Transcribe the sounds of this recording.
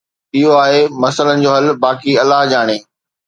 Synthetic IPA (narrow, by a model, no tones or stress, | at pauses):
ɪɦoaːɦemɐsələnɪ̆d͡ʑoːɦɐlbaːkiɐlːaɦd͡ʑaːɽ̃eː